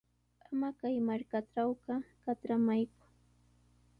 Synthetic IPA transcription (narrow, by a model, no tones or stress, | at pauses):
amakajmaɾkaʈ͡ʂawqɑkatɾamajkʊ̥